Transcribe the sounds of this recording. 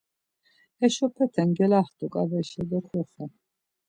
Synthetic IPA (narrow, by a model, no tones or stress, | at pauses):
ɛʃɔpʰɛt̪ʰɛnɡɛlaχt̪ʼukʼavɛʃɛd̪ɔkʰɔχɛ